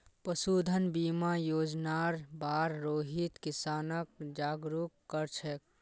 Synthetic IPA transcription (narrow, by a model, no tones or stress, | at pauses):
pəsud̪ʱənbimajoːd͡ʒnaɾbaɾɾoːɦit̪kisaːnəkd͡ʒaɡɾukːəɾt͡ʃʰɛk̚